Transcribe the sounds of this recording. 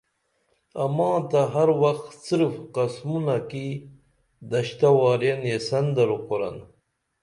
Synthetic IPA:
ɐmãːt̪aɦɐɾwɐxt̪siɾfqɐsmunaki | d̪ɐɕt̪awaːɾjenjesɐnd̪ɐɾuqoɾa̰n

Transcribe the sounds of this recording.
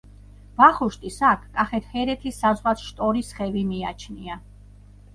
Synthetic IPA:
b̥aχuʃt̪ʼisakʰkʼaχɛt̪ʰhɛɾɛt̪ʰisːazʁwasʰʃt̪ʼɔɾisχɛvimia̰t͡ʃʰnia

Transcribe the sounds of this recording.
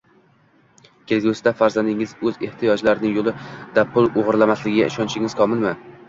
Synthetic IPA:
kʲʰe̞lɡʲusɪd̪afaɾzand̪ɪŋɪzɵze̞ht̪ʰijɒd͡ʒlaɾɪnɪŋjolˠɪd̪̥apʰʊlˠoʁɾlˠamaslɪɡʲɪɡʲa̰ɪʃɒnt͡ʃʰɪŋʲɪz̥kʰɒmɪlˠmɪ

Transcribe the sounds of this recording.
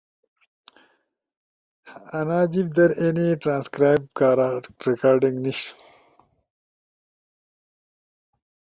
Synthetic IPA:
ɐnaːd͡ʑibd̪ɐɾeniʈɾaːnskɾaːjbkaːɾaɾikaːɾɖiŋɡniʃ

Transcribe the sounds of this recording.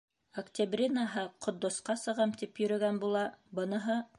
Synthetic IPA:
ɐkt̪ʲɪbrʲinaɦɤqʰŏt̪d̪ŏsqɑsɤ̆ʁɑmt̪ipjɵ̆ɾɵ̆ɡænbulˠɑbɤ̆nɤ̆ɦɤ

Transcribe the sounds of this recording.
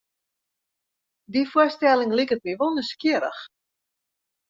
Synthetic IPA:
difuərstɛlɪŋlikət̚miʋonəskiəɾə̰x

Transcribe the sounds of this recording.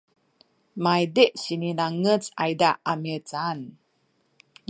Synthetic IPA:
majdeʔsininaŋət͡sa̰jdaʔamit͡san

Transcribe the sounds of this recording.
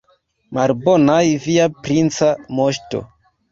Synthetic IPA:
malbo̞najviapɾint͡samo̞ʃto̞̰

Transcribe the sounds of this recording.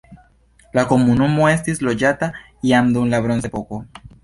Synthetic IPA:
lakomunumoest̪izlo̞d͡ʒat̪a | iand̪uunlaβɾonsepoko

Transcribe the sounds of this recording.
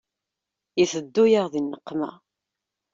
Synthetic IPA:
jəθəd̪ːujaʁðinːəqːmæ̰

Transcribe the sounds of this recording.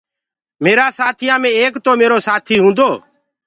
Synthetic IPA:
meːɾaːsaːt̪ʰiːaːmẽːeːkt̪oːmeːɾoːsaːt̪ʰiːɦũːnd̪oː

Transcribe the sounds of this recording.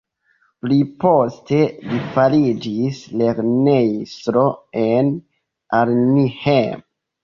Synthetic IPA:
plipo̞ste̞lifalid͡ʒisle̞ɾnejstɾo̞en | aɾnihem

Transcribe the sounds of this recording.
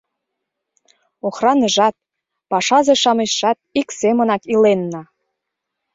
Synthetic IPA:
oxrɑnəʒɑt̪̚ | pɑʃɑzeʃɑmeʃːɑt̪̚iksemənɑkilenːɑ

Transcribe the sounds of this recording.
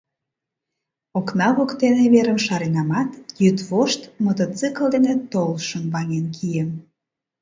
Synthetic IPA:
oknɑβokt̪eneβeɾəmʃɑɾenɑmɑt̪jyt̪βoʃt̪mot̪ot͡sɨkəld̪enet̪ːolʃənβɑŋenkʰijəm

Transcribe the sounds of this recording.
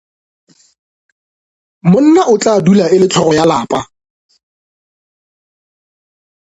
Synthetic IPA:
mʊn̩naʔʊt͡ɬʼadulaɪlɪtʰɔrɔjalaːpʼa

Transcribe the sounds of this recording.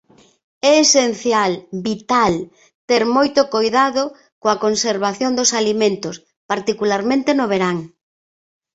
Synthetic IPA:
ɛesen̟θjalbit̪al | t̪eɾmojt̪okojðaðo | koakonseɾβaθjond̪osalimẽnt̪os | paɾt̪ikulaɾmẽnt̪enoβeɾaŋ

